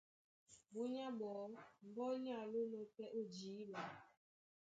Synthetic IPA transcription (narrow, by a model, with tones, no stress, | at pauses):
bu˦ɲa˦bɔ˨˦m̩˨bɔ˦ɲ˦a˦˨lu˦no˦pɛ˦ʔu˦˨d͡ʒiː˨˦ba˨